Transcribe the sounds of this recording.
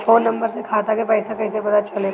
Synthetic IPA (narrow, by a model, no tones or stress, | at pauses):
foːnːɐ̃mbəɾsekʰaːt̪akepɛːsakɐːsebɐd̪at͡ʃɐle